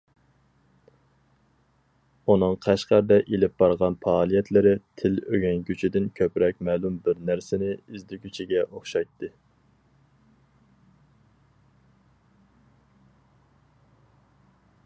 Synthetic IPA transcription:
unɨŋqʰæʃqæɾd̪ɛʔelɪp̚bɑɾʁɑnpʰɑːlˠijɛt̪lɪɾɪt̪ʰɪløɡʲɛnɡʲyt͡ʃʰid̪ɪnkʲʰøpɾɛk̚ʲmæːlˠumbɪɾnæɾsɪnɪizd̪ɪkʲyt͡ʃʰiɡʲɛʔoχʃɑjt̪ːɨ

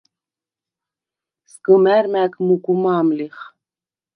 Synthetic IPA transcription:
skəmæɾmækʰmukʼumaːmliχ

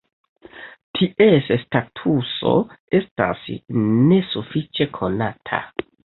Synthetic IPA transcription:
tʰiʔesstatʰuso̞̰e̞sta̰sne̞sufit͡ʃe̞kʰo̞natʰa̰

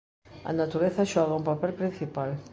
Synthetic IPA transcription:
ɐ̰nat̪uɾeθɐʃɔɣɐũpapɛlpɾĩn̟θipal

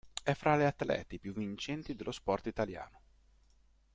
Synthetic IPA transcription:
ɛfːɾaleat̪lɛ̰ːt̪epjuvːint͡ʃɛnt̪id̪elːospɔrt̪it̪alja̰ːno

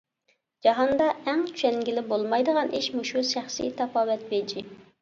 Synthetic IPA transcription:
d͡ʒɑɦɑnd̪ɑæŋtt͡ʃ̪ʰy̥ʃɛnɡʲilɪbolˠmɑjd̪əʁɑnʔiʃmuʃuʃæχsḭjt̪ʰɑpɑːwɛt̪̚bed͡ʒi

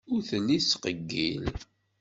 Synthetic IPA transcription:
ʊɾθəlːisqəɡːḭl

